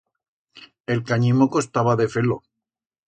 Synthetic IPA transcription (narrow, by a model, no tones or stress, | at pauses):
e̞lkaɲĩmoko̞st̪aβaðe̞felo